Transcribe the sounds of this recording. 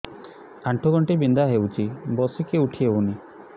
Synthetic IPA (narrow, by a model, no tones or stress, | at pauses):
aɳʈʰuɡɔɳʈibind̪aɦewt͡ʃʰibɔsikeuʈʰieuni